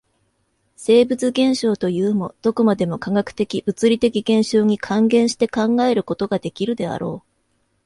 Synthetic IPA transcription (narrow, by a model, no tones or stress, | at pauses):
se̞ːbɯ̟t͡sɨɡẽ̞ɰ̃ɕo̞ːt̪o̞jɯ̟ːmo̞d̪̥o̞komad̪e̞mo̞kaɡakɯ̟̥t̪e̞kʲibɯ̟t͡sɨɾʲit̪e̞kʲiɡẽ̞ɰ̃ɕo̞ːɲ̟ikʰãŋɡẽ̞ɰ̃ɕi̥t̪e̞kãŋɡae̞ɾɯ̟ko̞t̪o̞ɡad̪e̞kʲiɾɯ̟d̪e̞a̰ɾo̞̰ː